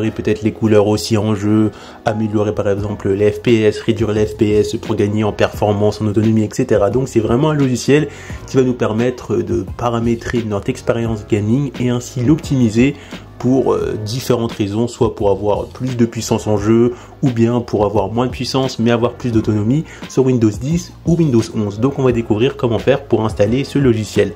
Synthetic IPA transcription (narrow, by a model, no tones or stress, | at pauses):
ʁepøt̪ɛt̪χlekulœʁosiɑ̃ʒø | ameljɔʁepaʁɛɡzɑ̃pləlɛfpeɛsʁed̪ɥyʁelɛfpeɛspuʁɡaɲeɑ̃pɛʁfɔʁmɑ̃sɑ̃not̪ɔnɔmiɛkset̪eʁad̪ɔ̃ksɛvʁɛmɑ̃ɛ̃lɔʒisjɛl | kʲivanupɛʁmɛt̪χd̪əpaʁamet̪χenɔt̪χɛkspeʁjɑ̃sɡaniŋeɛ̃silɔpt̪ʰimize | puʁø̰d̪ifeʁɑ̃t̪χezɔ̃swapuʁavwaʁplys̬d̪əpɥisɑ̃sɑ̃ʒø | ubjɛ̃pʰuʁavwaʁmwɛ̃d̪əpɥisɑ̃smɛavwaʁplysd̪ot̪ɔnɔmisyʁwind̪ozd̪is | uwind̪ozɔ̃zd̪ɔ̃kɔ̃vad̪ekuvʁiʁkɔmɑ̃fɛʁpuʁɛ̃st̪alesəlɔʒisjɛl